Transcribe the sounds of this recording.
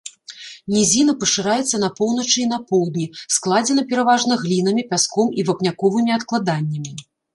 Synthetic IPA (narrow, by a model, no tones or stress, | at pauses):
nʲɛzʲinɐpɐʂɨɾajɛt̪sːɐnɐpɔwnɐt͡ʂɨin̪ɐpɔwd̪nʲisklˠad͡zʲɛnɐpʲɛɾavaʐnɐɣlʲin̪ɐmʲipʲaskɔmivapnʲakɔvɨmʲiat̪klˠad̪anʲːɐmʲi